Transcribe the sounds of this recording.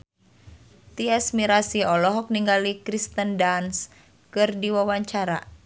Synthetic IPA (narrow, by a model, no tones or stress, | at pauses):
t̪iɛsmiɾasiɔlɔɦɔk̚niŋɡalikɾist̪əndans | kɨrdiwawaɲt͡ʃaɾa̰